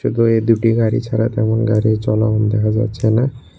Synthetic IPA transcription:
ut̪oed̪uʈiɡaɾḭt͡ɕʰaɾat̪ɛmonɡaɾit͡ɕɔla̰ɦɔmd̪ɛkʰad͡ʑa̰tːɕʰena

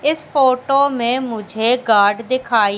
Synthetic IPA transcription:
ɪspoːʈoːmẽːmʊd͡ʒʱeːɡaːɾɖd̪ɪkʰaːi

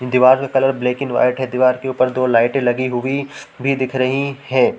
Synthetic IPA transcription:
d̪iʋaːɾkekɐləɾbleːkɪ̃ŋʋa̰ːɪʈɦɛd̪iʋaːɾkeuːpəɾd̪oːlaːɪʈẽlɐɡiɦʊibʱid̪ɪkʰɾɐɦihɛ̃ː

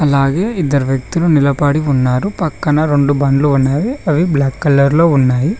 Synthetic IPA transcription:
ɐlaːɡeːid̪ːɐɾuʋjɐk̚t̪ulunilɐpaːɽiunːaːɾupɐkːɐnɐɾoɳɖubaːɳɖluunːaːʋiɐʋiblaːkːɐlːɐɾlo̞ːunːaːji

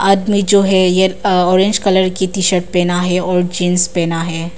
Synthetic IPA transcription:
aːd̪mid͡ʒoːɦɛjeɔːɾẽnd͡ʒkɐləɾkit̪iʃəʈ̚pɛːnaɦɛɔːɾd͡ʒinspɛːnaɦɛː

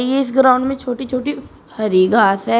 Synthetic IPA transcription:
jeɪs̬ɡɾaːʊ̃ɳɖmẽt͡ʃʰoːʈit͡ʃʰoːʈi | fɐɾiɡʱaːsɦɛː

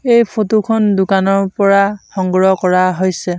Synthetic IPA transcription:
ejpʰotukʰɔndʊkanɔɹpɔɹaxɔŋɡɹɔkɔɹaɦojsɛ

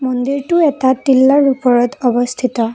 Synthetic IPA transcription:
mɔnd̪iɹʈuet̪at̪ilːaɹupɔɹɔt̪ɔbɔst̪ʰit̪ɔ

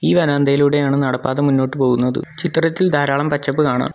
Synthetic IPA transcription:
iːʋɐnaːnd̪ɐjiluɽe̞jaːɳɨnɐɽɐpːaːðɐmunːo̞ːʈːɨpo̞ːɣunːɐðɨ̰t͡ɕit̪rɐt̪ːild̪ʱaːɾaːɭɐmpɐt͡ɕːɐpːɨkaːɳa̰ːm

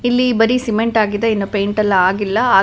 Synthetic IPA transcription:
ilːibɐɾisimeɳʈaːɡid̪eɐinːupejɳʈɐlːɐaːɡilːɐaː

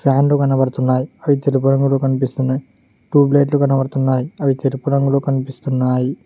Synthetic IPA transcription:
pʰaːnlukɐnɐbɐɽt̪unːaːjiɐʋit̪elup̬uɾɐŋɡulokɐnipist̪unːaːji | ʈuːble̞ːʈ̬lukɐnɐbɐɽt̪unːaːjiɐʋit̪elupuɾɐŋɡulokɐnipist̪unːaːji

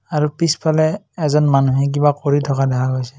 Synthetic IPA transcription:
aɹupispʰalɛː | zɔnmanuɦɛk̬ibakoɹitʰɔkadaɦaɡojsɛ̥

